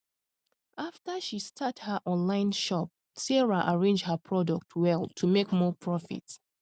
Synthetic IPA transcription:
ʔaftəʃistʰathəʔɔ̃nlãɪ̃nʃɔp̚ | sɛɹaʔaɹẽnd͡ʒhəpʰɹɔdɔk̚tʰwɛlˠtʰumekmɔpʰɹɔfḭt

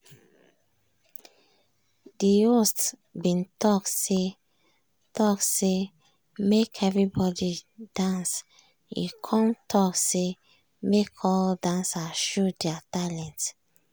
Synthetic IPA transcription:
diostbĩntʰɔkse | tʰɔkse | mekʰɛvɹibɔdid̥ãns | jṵkʰɔ̃ntʰɔkse | mekʰɔldãnsaʃudɛatalɛ̃nt

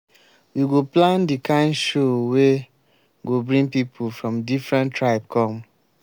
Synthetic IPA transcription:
wiɡoplãndikãɪ̃nʃowe | ɡobɹĩŋpipʰufɹɔ̃mdifɹɛ̃ntɹaɪp̚kʰɔ̃m

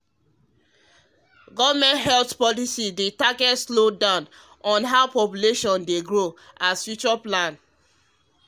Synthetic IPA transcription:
ɡɔvmɛ̃ntɦɛltpɔlisidetaɡɛtslodãʊ̃n | ɔ̃nɦaʊpɔpjuleʃɔ̃ndeɡɹo | asfjut͡ʃaplãn

